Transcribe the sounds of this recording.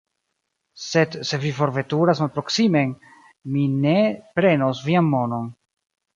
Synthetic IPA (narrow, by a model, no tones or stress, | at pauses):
se̞dse̞vifo̞ɾve̞tuɾasmalpɾo̞ksime̞n | mine̞pɾe̞nosvianmo̞no̞n